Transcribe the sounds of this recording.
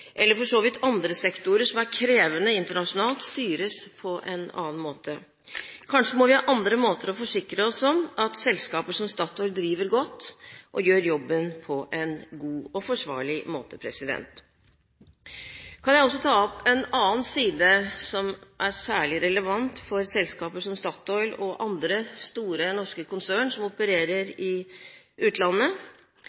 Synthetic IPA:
ʔɛlːəɾfɔʂoːʋɪt̪ʰɑnd̪ɾəsɛkt̪ʊɾəʂɔmæɾkʰɾeːʋənəɪnt̪əɳɑʂʊnɑːlt̪st̪yːɾəspʰɔʔɛ̰nɑ̰ːnmoːt̪ʰə | kʰɑnʂəmɔʋɪhɑʔɑnd̪ɾəmoːt̪əɾɔfɔʂɪkɾəɔsɔmʔɑt̪sɛlskɑːpəʂɔmst̪ɑːt̪ɔʏld̪ɾiːʋəɾɡɔt̪ːʔɔjøːɾjɔbːənpʰɔʔɛnɡuːɔfɔʂʋɑ̰ːɭɪmoːt̪əpʰɾɛsɪd̪ɛ̰nt̪ | kʰɑnjæɪɔs̬ːɔt̪ʰɑːɔpɛnɑːnsiːd̪əsɔmʔæɾsæːɭɪɾɛləʋɑnt̪fɔɾsɛlskɑːpəsɔmst̪ɑːt̪ɔʏlɔʔɑnd̪ɾəst̪uːɾənɔʂkəkʰʊnsæːɳʂɔmɔpəɾeːɾəɾɪ | ʉːt̪lɑnːə

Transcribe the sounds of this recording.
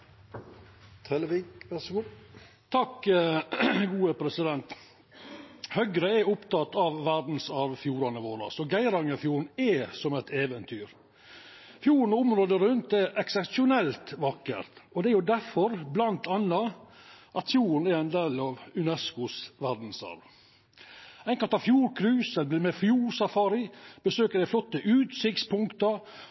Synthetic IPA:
t̪ʰɛləʋiːkʋæsku | t̪ʰɑkː | ɡuːəpʰɾɛsɪd̪ɛnt̪ | hœɡɾəɛɾʊpt̪ɑt̪ːɑʋːæɾd̪n̩sɑʋfjuːɾɑnəʋoːɾɑ̰sɔɡæɪɾɑŋəfjuːɾn̩ɛsɔmɛt̪ʰeːʋənt̪ʰyːɾ | fjuːɾn̩ʊmɾoːd̪əɾʉnt̪ɛɾɛksɛpsɪʊnɛlt̪ʋɑkːə̰ɾt̪ɔd̪ɛæɾjʊd̪æɾfɔɾblɑnt̪ʰɑnːɑʔɑt̪fjuːɾn̩æɾæɪnd̪eːlɑʋʉnɛskʊsʋæd̪n̩sɑ̰ɾʋ | æɪŋkɑlt̪ɑfjuːɾkʰɾʉːsəlb̪lmɛfjuːɾsɑfɑːɾɪb̥əsøːkəɖ̪æɪflɔt̪ːəʔʉːt̪sɪkt̪spʰʊŋkt̪ə

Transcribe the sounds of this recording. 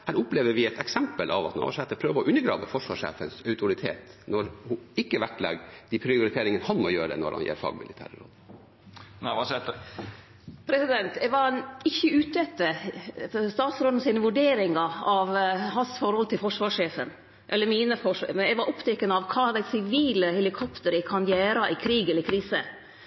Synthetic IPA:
hæːɾʊpleːʋəɾʋɪɛt̪ɛksɛmpəlʔɑ̰ʋɑt̪nɑ̰ːʂɛt̪ːəɾpʰɾøːʋəɔʔʉnːəɾɡɾɑ̰ːʋəfɔʂʋɑ̰ːʂḛːfənsœʉt̪ʊɾɪt̪ʰḛːt̪nɔɾhʊɪkːəʋæʈlɛ̰ɡd̪ɪpʰɾɪʊɾɪt̪ʰeːɾɪŋənhɑnmɔjøːɾə̰nɔ̰ɾhɑ̰njḛːɾfɑ̰ːɡmɪlɪt̪ʰæ̰ːɾəɾo̰ːd̪ | næʋɑsɛ | pʰɾɛsɪd̪ɛnt̪ɛʋɑɾɪçːəʉːt̪ɛt̪ːəfst̪ɑːt̪sɾɔd̪n̩sɪːnəʋʉɖeːɾɪŋɑɑʋɦɑnsfɔɾhɔlt̪ʰɪlfɔʂʋɑːʂeːfən | ʔɛlːəɾmiːnəfɔʂmɛnɛɡʋɑɾʔɔpt̪ʰɛkːənəɑʋkʰɑːɑd̪æɪsɪʋiːləhɛlɪkʰɔpt̪əɾɪkʰɑnjæːɾɑʔɪkʰɾiːɡɛlːəɾkʰɾiːsə

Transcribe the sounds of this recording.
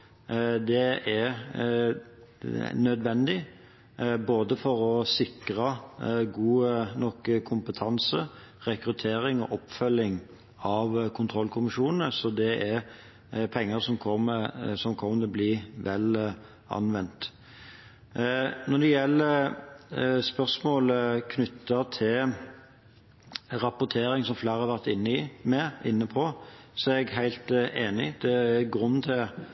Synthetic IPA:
d̪ɛɛɾ | nœd̪ʋɛnd̪ɪ | boːd̪əfɔɾɔsɪkɾɑɡuːənɔkːəkʰʊmpət̪ʰɑnsə | ʁɛkɾʉt̪ʰeːɾɪŋɔ̰ʔɔpfœlːɪŋ | ɑʋkʰʊnt̪ʰʁɔlkʰʊmɪʃuːnn̩əsɔd̪ɛʔɛɾ | pʰɛŋːəɾsɔmʰɔməsɔmkʰɔmənəbliʋɛl | ɑ̰nʋɛnt̪ | nɔd̪ɛjɛlːəɾ | spœʁsmoːləkʰnʏt̪ːət̪ʰɪl | ɾɑpʊt̪ʰeːɾɪŋsɔmflæːʁhɑɾʋæʁt̪ɪnːəimɛɪnːəpʰɔsɔɛɛɡɦæɪlt̪eːnɪd̪̥ɛæɡɾʉn̩ːt̪ʰɪl

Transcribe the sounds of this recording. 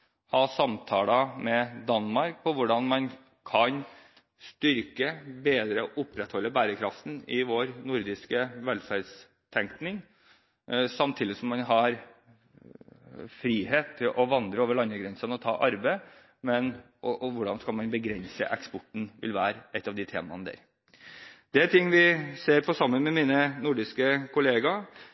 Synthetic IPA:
hɑːsɑmt̪ʰɑːləmɛd̪ɑnmɑɾk̚pʰɔʋʊɖɑnmɑn | kʰɑn | st̪ʏɾkəbeːd̪ɾəɔʔʊpːɾɛt̪hɔlːəbæːɾəkʰɾɑft̪n̩ɪʋoːɾnʊɾd̪ɪskəʋɛlfæɾs | t̪ʰɛŋknɪŋ | sɑmt̪ʰiːd̪ɪsɔmːɑnɦɑɾ | fɾiːɦeːt̪ʰːɪlʔɔʋɑnd̪ɾəoːʋəɭɑnːəɡɾɛnsənɔt̪ʰɑ̰ːʔɑɾbə | mɛn | ɔʔɔʋʊɖɑnskɑlmɑnbəɡɾɛnsə̰ʔɛkspɔʈːɳ̩ʋɪ̰lʋæːɾʔɛt̪ːɑʋd̪ɪt̪ʰḛːmɑ̰nəd̪æ̰ːɾ | d̪̥ɛæt̪ʰɪŋːʋɪseːɾpʰɔsɑmːənmɛmiːnənʊɖɪskəkʰʊleːɡɑ

